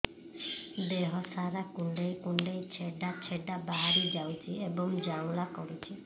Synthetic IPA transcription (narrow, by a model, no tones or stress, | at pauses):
d̪eɦɔsaɾakuɳɖejkuɳɖejt͡ʃʰeɖat͡ʃʰeɖabaɦaɾid͡ʒawt͡ʃʰiebɔŋd͡ʒaŋlakɔɾut͡ʃʰi